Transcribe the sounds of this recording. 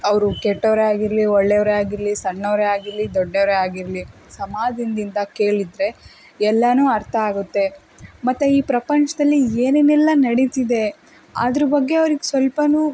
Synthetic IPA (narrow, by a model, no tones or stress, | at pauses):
ɐʋɾukɛʈːɐʋɾeaːɡiɾliɔɭːeʋɾeaːɡiɾlisɐɳːɐʋɾeaːɡiɾlid̪ɔɖːɐʋɾeaːɡiɾlisɐmaːd͡ʒ̪ind̪ind̪ɐke̞ːɭid̪ɾe̞ | ɛlːɐnuːɐɾt̪ʰɐaːɡut̪ːe̞ | mɐt̪ːeiːpɾɐpɐnt͡ʃɐd̪ɐlːieːnenɛlːɐnɐɽit̪id̪e̞ | a̰ːd̪ɐɾɐbɐɡːe̞ɐʋɾiɡesʋɐlpɐnuː